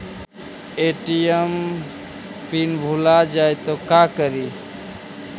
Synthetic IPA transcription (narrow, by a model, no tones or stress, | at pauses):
eʈijəm | pinbʱulad͡ʒajt̪ɔkakəɾi